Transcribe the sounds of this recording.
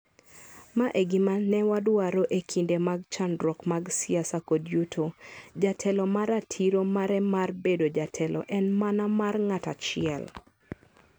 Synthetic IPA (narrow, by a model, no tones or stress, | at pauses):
maʔeɡɪmanɛwadwaɾoʔekʰindemaɡ̚t͡ʃandɾɔkmaɡsɪasakodjutʰod͡ʒatʰɛlɔmaɾatʰiɾomaɾɛmarbedod͡ʒatʰɛlɔ̰ʔɛnmanamarŋata̰t͡ʃɪɛ̰l